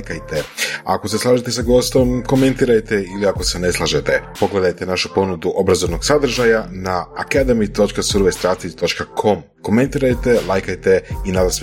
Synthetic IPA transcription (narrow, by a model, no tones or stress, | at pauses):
jkajt̪ea̰ko̞seslˠaːʒet̪e̞saɡo̞ːst̪o̞mko̞me̞nt̪iɾajt̪eiliako̞sene̞slˠaʒet̪e̞po̞ɡle̞d̪ajt̪e̞naʃu̥po̞nud̪uʔo̞bɾazo̞ʋno̞ɡ̥sad̪r̩ʒajanaa̰kad̪emit̪o̞t͡ʃkasuɾʋest̪ɾast̪it̪o̞t͡ʃkakʰo̞m | ko̞me̞nt̪iːɾajt̪e̞lˠajkajt̪e̞inad̪as